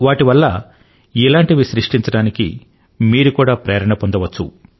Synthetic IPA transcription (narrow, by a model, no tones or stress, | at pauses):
ʋaːʈiʋɐlːɐ | ilaːɳʈiʋiʃɾiʂʈiɲt͡ʃɐɽaːnikḭ | miːɾukuːɽaːpɾɛːɐɾɐɳɐpond̪ɐʋɐt͡ʃːṵ